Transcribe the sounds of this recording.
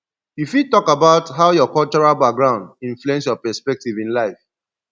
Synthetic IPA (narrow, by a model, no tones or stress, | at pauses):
ifjutɔkabaʊtɦaʊjɔkɔlt͡ʃɔɹalbak̚ɡɹãʊ̃ndĩɱfluɛ̃nsjɔpɛspɛk̚tivĩnlaɪf